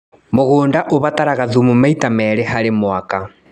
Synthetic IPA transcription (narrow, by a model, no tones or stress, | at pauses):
moɣoːndaʔoβataɾaɣaðumumaitamɛɾehaɾemwaka